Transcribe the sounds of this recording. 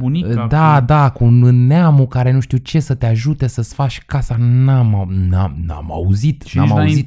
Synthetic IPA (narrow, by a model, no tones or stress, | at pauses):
bunid̪ad̪akunneamukaɾe̞nuʃt̪iut͡ʃe̞sət̪eaʒut̪e̞səsfat͡ʃʲkasanamanamna̰ma̰uzit̪namaauit̪